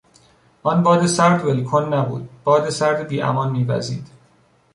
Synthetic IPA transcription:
ʔɒːnbɒːd̪esæɾd̪velkʰonːæbṵːd̪̥̚b̥ɒːd̪esæɾd̪biːʔæ̰mɒːnmiːvæ̰zḭːd̪̥

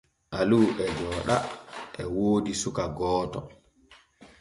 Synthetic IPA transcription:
ʔaluːʔɛd͡ʒɔːɗaʔɛwoːdisukaɡɔːtɔ̰

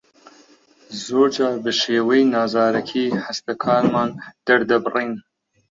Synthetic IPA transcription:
zoːɾd͡ʒɑːbɨʃeːwejnɑːzɑːɾɐkʰiːħast̪ɐkʰɑːɾmɑːnd̪̥ɐɾd̪ɐbɨrin

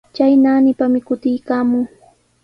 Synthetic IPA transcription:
t͡ʃajnaːnɪpamɪkʊt̪ɪjkaːmʊŋ

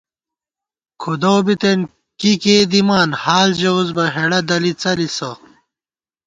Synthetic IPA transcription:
kʰud̪ɐwbit̪en | kikeːd̪imaːnhaːlʑɐuzbɐɦeɽɐd̪ɐlit͡sɐlisɐ

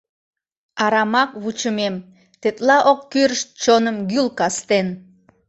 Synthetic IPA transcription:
ɑɾɑmɑkβut͡ʃumem | t̪et̪lɑʔokːyrʃt͡ʃonəmɡylˠkɑst̪en

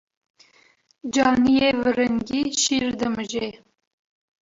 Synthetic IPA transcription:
d͡ʒɑːnijevɨɾəŋɡʲiʃiːrd̪əmɨʒe

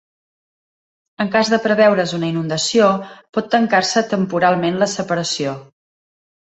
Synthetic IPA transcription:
əŋkazðəpɾəβɛwɾəzunəinund̪əsiopɔt̪ːəŋkarsət̪əmpuɾalˠmenləsəpəɾəsio

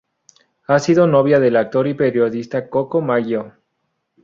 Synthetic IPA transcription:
asiðonoβjaðe̞lak̚t̪o̞ɾipeɾjo̞ðist̪akokomaɣjo

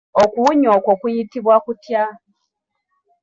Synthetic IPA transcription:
okuɲokokujitiβwakutja

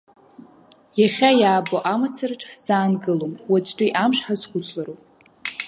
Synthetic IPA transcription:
jaχʲajaːboʔamat͡sʰarʈ͡ʂʼz̥aːnɡɨlomwat͡sʼtʷʼiʔamʂħazχʷʊt͡sʷʰʼlaɾowpʼ

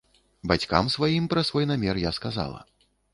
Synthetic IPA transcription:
bat͡sʲka̰msvajimpɾɐsvɔjnamʲɛrjaskaza̰lˠɐ̰

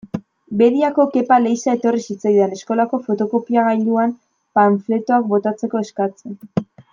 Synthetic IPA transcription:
be̞ðiako̞ke̞pale̞jsae̞t̪o̞risit͡sajðene̞sko̞lako̞fo̞t̪o̞ko̞piaɣajʎd̪uam | paɱfle̞t̪o̞ak̚bo̞t̪at͡se̞ko̞e̞skat͡sen

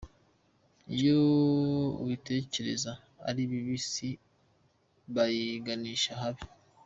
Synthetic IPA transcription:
ijo | uwite̞ːce̞ɾe̞za | a̰ɾiβiβisi | βajiɡaniːʃaɦaβii

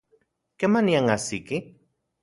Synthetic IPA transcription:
kemaniaŋasiki

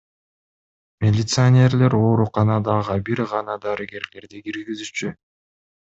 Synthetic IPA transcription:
mʲelʲɪt̪sɨanʲe̞ɾlʲe̞ɾo̞ːɾuqɑnɑd̪ɑʁɯbiɾʁɑnɑd̪ɑɾɯɡʲe̞ɾle̞ɾd̪ikiɾɡizyt͡ʃy

